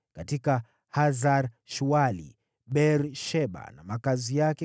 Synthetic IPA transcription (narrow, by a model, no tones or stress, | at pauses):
katika | hazaɾ | ʃualḭ | ɓɛɾʃɛɓa̰namakazijakɛ